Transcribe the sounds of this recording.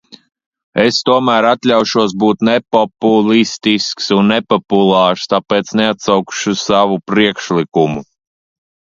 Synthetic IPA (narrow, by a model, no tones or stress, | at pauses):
est̪uɔmæːɾat̪lʲawʃuɔs̬buːt̪nɛpɔpulˠist̪isksunːepɔpulˠaːɾst̪apeːt̪sneat̪sawkʃusaʋupɾiɛkʃlʲˠikumu